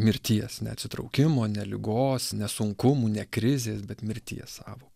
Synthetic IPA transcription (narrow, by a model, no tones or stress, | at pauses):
mʲɪɾʲt̪ʲiɛsnʲɛ̰ɐt̪ʲsʲɪt̪ɾɒ̰ʊkʲɪmoːnʲɛlʲɪɡoːsnʲɛsʊŋkʊmuːnʲɛkɾʲɪzʲeːsbʲɛt̪mʲɪɾʲt̪ʲḭɛssɑ̰ːʋoː